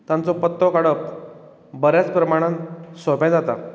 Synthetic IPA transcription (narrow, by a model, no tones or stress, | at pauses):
t̪ãnt͡sɔpət̪ːɔkaɽəp | bəɾjat͡spɾəmaɽ̃ãnsɔpãd͡zat̪a̰